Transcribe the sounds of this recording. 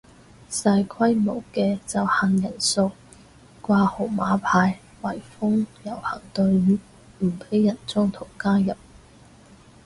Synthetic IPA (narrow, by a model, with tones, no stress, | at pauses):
saː˧jkʰwɐ˥jmo˨˩wkɛː˧t͡sɐ˨wha˨ŋjɐ˨˩nso˧w | kʷaː˧ho˨˩wmaː˨˥pʰaː˧j | wɐ˨˩jfʊ˥ŋjɐ˨˩whɐ˨˩ŋt̪ɵ˧ɥ | m̩˨˩pʰe˨˥jːɐ˨˩nt͡sɔː˥ŋt̪ʰʊ˨˩ŋkaː˥jɐ˨p̚